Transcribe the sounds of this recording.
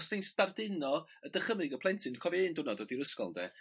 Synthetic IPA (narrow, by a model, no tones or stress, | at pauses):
stʰejnspardɪnɔ | ədəχəmɨɡəpʰlˠɛntʰɪnkʰɔviɪndʊnɔdoːdiɾəskɔ̰lˠdɛ̰